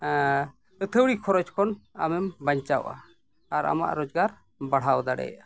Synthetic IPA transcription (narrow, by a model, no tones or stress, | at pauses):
ət̪ʰəwɽikʰɔɾɔd͡ʒkʰɔna̰mɛmbaɲt͡ʃawʔa̰ː | ɾa̰ma̰ʔɾɔd͡ʒɡaɾ | baɽ̤awd̪aɽɛ̰ja